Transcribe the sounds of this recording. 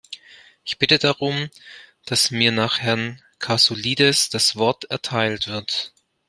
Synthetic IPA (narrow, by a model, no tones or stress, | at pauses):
ʔɪçb̥ɪtədaʁʊmd̥asmiːɐnaːχhɛɐn | kʰasoliːdɛsd̥asv̥ɔɐtɛɐtʰaɪltv̥ɪɐt